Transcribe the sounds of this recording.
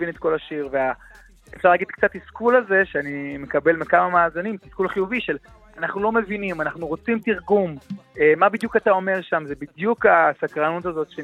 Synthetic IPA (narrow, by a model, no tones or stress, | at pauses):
vinet̪̚ko̞laʃiʁvea | efʃaʁlaɡid̪kt͡sat̪iskulaze̞ʃeanime̞kabe̞lmekamamaːzinimtiskulaχijuviʃe̞l | anaχnulo̞me̞vinimanaχnuʁo̞t͡simtiʁɡumemabid̪jukatao̞me̞ʁʃamzebid̪jukasakʁanutazo̞t̪ʃe